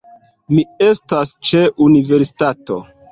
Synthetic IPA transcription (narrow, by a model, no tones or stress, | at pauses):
mie̞stast͡ʃe̞ʔunive̞ɾsi̥tato̞̰